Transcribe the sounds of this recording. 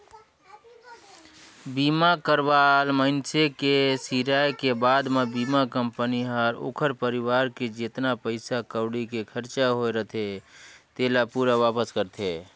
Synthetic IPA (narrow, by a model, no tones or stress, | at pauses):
biːmakəɾʋalməɪnsekesiːɾaːjkebaːd̪mebiːmakəmpəniɦəɾo̰ːkʰəɾpəɾɪwaːɾked͡ʒeːt̪napəɪsakəʊɽikekʰəɾt͡ʃaɦoeɾət̪ʰet̪eːlapuɾaʋaːpəskəɾt̪ʰe